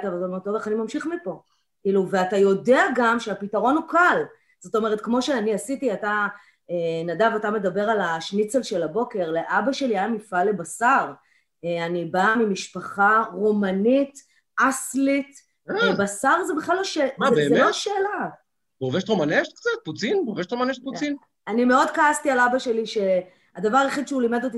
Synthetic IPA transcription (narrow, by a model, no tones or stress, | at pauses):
t̪avaltaomet̪ːoveχanimamʃiχmipo̞ | kiːluve̞atajo̞deaɡamʃeapitaʁo̞nukal | z̥o̞to̞meʁ̞etkmo̞ʃeaniasitiata | enadavatame̞dabe̞ʁalaʃnit͡selʃe̞labo̞ke̞ʁle̞ʔabaʃe̞liajamifale̞basaʁ | eanibamimiʃpaχaʁomanit | aslit | ebasaʁzebeχlalaʃeabeloaʃeːla | boveʃtʁomaneʃt̪̚kt͡sat̪̚put͡sinboveʃt̪ʁomaneʃt̪̚put͡sin | animeo̞dkaastialabaʃe̞liʃe̞ | adavaʁaeχid̪ʃeulimed̪ot̪̬i